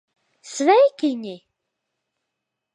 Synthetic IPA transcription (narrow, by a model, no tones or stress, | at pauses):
svæjikini